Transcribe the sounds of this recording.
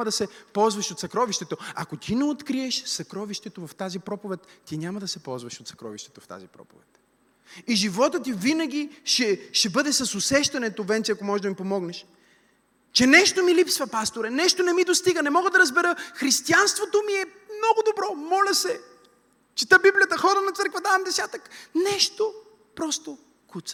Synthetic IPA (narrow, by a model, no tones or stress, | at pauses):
ɐd̪ɐsɛpɔlˠzvɐʃot̪sɐkɾɔviʃt̪ɛt̪oɐ̰kot̪ʲʰinɛot̪kɾiɛʃsɐkɾɔviʃt̪ɛt̪ovɐft̪azipɾɔpovɛt̪ːinʲamɐd̪ɐsɛpɔlˠzvɐʃot̪sɐ̥kɾɔ̰viʃt̪ɛ̥t̪oft̪a̰zipɾɔ̰po̰vɛ̰t̪ | iʒivɔt̪ət̪ivinɐɡ̟ʲiʃɛʃɛbɤd̪ɛsɐsosɛʃt̪ɐnɛt̪ovɛnt͡ʃ̪ɛɐkomɔʒɛd̪ɐmipomɔɡnɛʃ | t͡ʃɛnɛʃt̪omilipsvɐpast̪oɾɛnɛʃt̪onɛmid̪ost̪iɡənɛmɔɡəd̪ɐɾəzbɛɾəxɾist̪ianst̪vot̪omiɛ | mnɔɡʊd̪obɾɔmɔlʲɐsɛ | t͡ʃit̪əbiblʲijət̪əxɔɾənɐt̪səɾkvɐd̪avɐmd̪ɛsʲat̪əknɛʃt̪o | pɾɔst̪o | kut̪sə̥